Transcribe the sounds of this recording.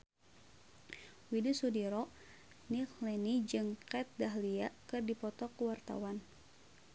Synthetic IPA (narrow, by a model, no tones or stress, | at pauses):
widusudiɾɔʔ | niklɛnid͡ʒɨŋkɛt̪̚daɦliakɨrdipɔt̪ɔkəwart̪a̰wan